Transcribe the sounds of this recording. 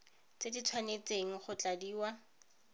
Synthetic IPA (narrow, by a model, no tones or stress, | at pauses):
t͡sedit͡sʰwanet͡seŋ̩χʊt͡ɬadiːwa